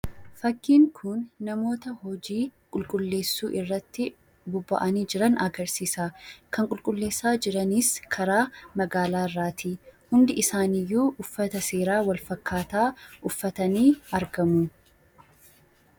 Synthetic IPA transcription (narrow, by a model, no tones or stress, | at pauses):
fɐkːiːŋkʰʊnːɐmo̞ːt̪ɐhɔd͡ʒiːkʼʊlkʼʊlːe̞ːsːuːʔɪrːɐt̪ːɪ | bʊbːɐ̰ʔɐniːd͡ʒɪɾɐnɐɡɐɾsiːsaːkʰɐŋkʼʊlkʼʊlːe̞ːsːaːd͡ʒɪɾɐniskʰɐɾaːmɐɡaːlaːɪrːaːt̪ʰiːhʊnd̪ɪʔɪsaːnɪjːuːʔʊfːɐt̪ɐse̞ːɾaːwɐlfɐkːaːt̪aːʊfːɐt̪ɐniːɐɾɡɐmu